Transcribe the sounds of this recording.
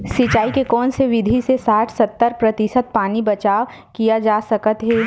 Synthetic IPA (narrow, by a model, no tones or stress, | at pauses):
sɪt͡ʃaːikekɔːnseʋɪd̪ʱisesaːʈʰsɐt̪ːəɾpɾɐt̪ɪsət̪̚paːnibɐt͡ʃaːʋ | kijad͡ʒaːsɐkət̪ɦɛː